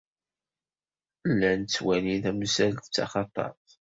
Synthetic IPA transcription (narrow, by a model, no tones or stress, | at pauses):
lːænt͡sːwæniðæmsælt̪t͡sːɑ̰χɑt̪ˤɑ̰ɾˤθ